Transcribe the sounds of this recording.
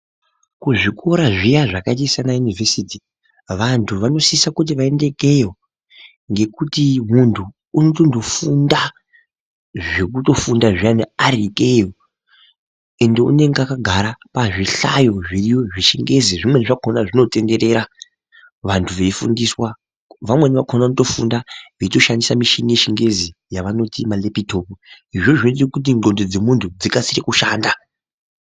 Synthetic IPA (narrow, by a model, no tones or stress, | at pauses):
kuʐiko̞ɾaʐijaʐakat̬isanajunivesiti | ʋantʰuʋano̞siisakut̬iʋae̞nde̞ke̞jo | ŋɡe̞kutimuntʰuː | notondo̞funda | ʐek̬uto̞fundaʐijanearikejo | e̞nde̞ṵne̞ŋɡeakaɡʱaɾapaʐiɬajo̞ʐirijo̞ʐiʃiŋɡe̞ziʐimwe̞niʐakʰonaʐino̞te̞nde̞ɾe̞ɾa | ʋantʰuʋe̞ifṵndiswa | ʋamwe̞niʋakʰonanuto̞fṵndaʋeito̞ʃandisamiʃiŋɡeʃiŋɡe̞zijaʋano̞timalepitʰo̞puɦiʐo̞ʐit̬ikut̬iɡo̞ndod͡ze̞muntʰud͡zikasirekuʃaːnda